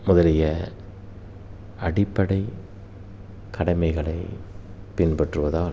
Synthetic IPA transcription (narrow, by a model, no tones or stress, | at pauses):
mʊðɐlɪjɐ | ɐɽɪpːɐɽɐɪ | kɐɽɐɪmɐɪɣɐɭɐɪpɪnpɐʈrɯʋɐðaː